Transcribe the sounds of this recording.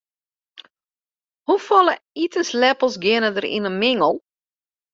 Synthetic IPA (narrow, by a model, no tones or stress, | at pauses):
hufɔləitənslɛpəl̩ˠsɡɪənədərḭnənmɪŋəlˠ